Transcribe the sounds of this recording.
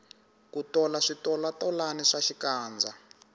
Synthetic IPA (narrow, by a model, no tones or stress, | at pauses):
kutɔlaʂitɔlatɔlanɛʂaʃikaːnd͡za